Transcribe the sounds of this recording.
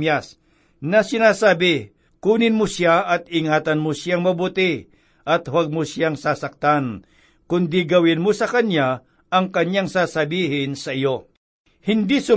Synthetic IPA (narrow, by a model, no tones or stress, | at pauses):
mjas | nɐsɪnaːsaːbɪ | kuːnɪnmʊsjaɐt̪ɪŋaːt̪ɐnmʊsjaŋmɐbuːt̪ɪ | ʔɐt̪hwaɡ̚mosjaŋsaːsɐk̚t̪an | kʊnd̪ɪɡɐwɪnmosɐkɐnja | ɐŋkɐɲjaŋsaːsɐbiːɦɪnsɐʔɪjo | hɪnd̪isʊ